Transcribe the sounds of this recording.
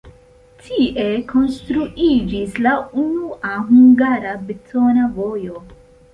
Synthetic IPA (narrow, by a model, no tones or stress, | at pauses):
tʰiʔe̞kʰo̞nstɾuʔid͡ʒislaunuʔaɦuŋɡaɾabetonavo̞jo̞